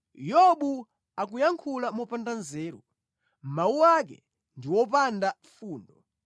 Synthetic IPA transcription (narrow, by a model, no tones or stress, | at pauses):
jɔɓu | akujaŋkʰulamɔpandanzɛːɾu | m̩mauak̬ɛ̰ | ndiwɔpanda | fuːndɔ